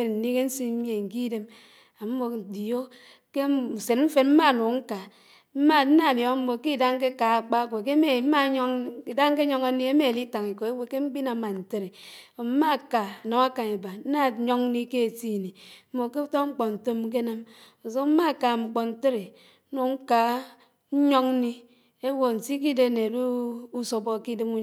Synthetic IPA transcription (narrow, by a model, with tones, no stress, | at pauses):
e˨n̩˨ni˦ke˦n̩˦si˦mje˨ŋ̩˨ki˦de˦m | a˨m̩˦mo˨di˨jo˦ | ke˦˨se˨tm̩˦fe˨tm̩˦ma˦˨no˨ŋ̩˦ka˨ | m̩˦ma˦n̩˦na˦˨djo˦m̩˦mo˨ki˦˨da˦ŋ˦ke˦ka˨a˨k͡pa˦kʷe˨ke˦me˨m̩˦ma˦ɲ˦ŋ˦i˨da˦ŋ̩˦ke˦o˦ŋa˦ni˦e˦me˦˨li˦ta˨ŋi˨ko˨e˦we˦ke˦ŋ͡m̩˦k͡pi˦na˨˦ma˨n̩˨te˦ɾe˨ | o˨m̩˦ma˦˨ka˨no˨ŋa˦ka˨ŋe˨ba˨n̩˦na˦˨ɲo˦ŋ˦ni˦ke˦e˨si˦˨ni˨m̩˦mo˨ke˦u˦to˦ŋ͡m̩˦k͡po˨n̩˨to˦m˦k̬e˦na˦m | o˨so˦m̩˦ma˦˨ka˨ŋ͡m̩˨k͡po˨n̩˨te˦ɾe˨˦ | no˨ŋ̩˦ka˨˦ | ɲo˦ŋ˦ni˦ | e˦wo˨n̩˨si˦k̬i˦de˨˦˨ne˨du˦u˦so˨bɔ˨ki˦dɨ˦ŋu˦